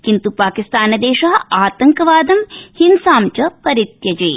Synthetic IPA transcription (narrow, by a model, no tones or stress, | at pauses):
kint̪upaːkist̪aːnɐd̪eːʃɐɦɐaːt̪ɐŋkɐʋaːd̪ɐmhinsaːmt͡ʃɐpɐɾit̪jɐd͡ʒeː